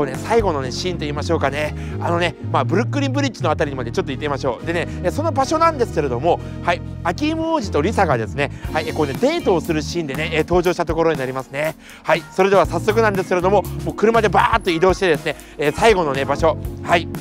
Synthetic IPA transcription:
one̞saiɡo̞no̞neɕĩːnt̪o̞iːmaɕo̞ːkane̞ | ano̞ne̞maːbɯ̟ɾɯ̟kːɯ̟ɾʲĩmbɯ̟ɾʲit͡ɕːino̞at̪aɾʲiɲ̟imad̪e̞t͡ɕo̞t̪ːo̞it̪ːeimaɕo̞ːd̪e̞neeːso̞no̞baɕo̞nãnd̪e̞sɨ̥ke̞ɾe̞d̪o̞mo̞ | hai | akʲiimɯ̟oːʑit̪o̞ɾʲisaɡad̪e̞sɨne̞haikoːne̞d̪e̞ːt̪o̞ːsɨɾɯ̟ɕĩːnd̪e̞ne̞eːt̪o̞ːʑo̞ːɕi̥t̪at̪o̞ko̞ɾo̞ɲ̟inaɾʲimasɨne̞ | haiso̞ɾe̞d̪e̞β̞asasːo̞k̬ɯnãnd̪esɨ̥ke̞ɾe̞d̪omo̞mo̞ːkɯ̟ɾɯ̟mad̪e̞baːt̪ːo̞id̪o̞ːɕi̥t̪e̞d̪e̞sɨne̞ | eːsaiɡo̞no̞ne̞baɕo̞hai

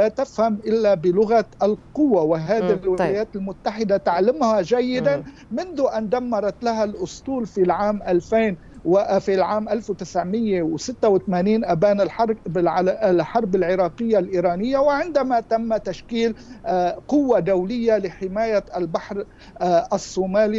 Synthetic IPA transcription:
lat̪ɪfhamʔɪlːabɪlʊɣat̪ʔalqʊwːawɪɦaːd̪ilwɪaajaːt̪ɪlmʊt̪ːaħɪd̪at̪aʕlɪmhaʒajːɪd̪an | mɪnðuʔand̪amːɑɾˤɑt̪laɦalʔʊsˤt̪ˤuːlfilʕaːmʔalfeːn | wfilʕaːmʔalfwt̪ɪsʕmɪjːewsɪt̪ːawɪt̪maːniːnʔabaːnɪlħɾbɪlħɑɾˤbɪlʕɪɾˤɑːqɪjːalʔiːɾˤɑːnɪjːawɪʕɪnd̪amat̪amːat̪aʃkiːl | qʊwːad̪awlɪjːalɪħɪmaːjaalbaħɾ | ʔasˤːuːmaːli

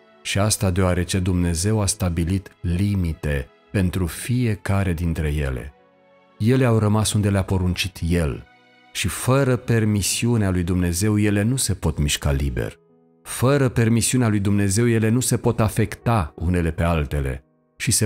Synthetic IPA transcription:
ʃiast̪ad̪eoaɾe̞t͡ʃe̞d̪umne̞ze̞wast̪abilit̪limit̪e̞ | pe̞nt̪ɾufije̞kaɾe̞d̪int̪ɾe̞je̞̰le̞̰ | je̞le̞awrəmasund̪eleapo̞ɾunt͡ʃit̪je̞l | ʃifəɾəpe̞rmisiunealujd̪umne̞ze̞wje̞le̞nuse̞po̞t̪miʃkalibḛr | fəɾəpe̞rmisiunealujd̪umne̞ze̞wje̞le̞nuse̞po̞t̪afe̞kt̪aṵne̞le̞pe̞alt̪e̞le̞̰ | ʃise

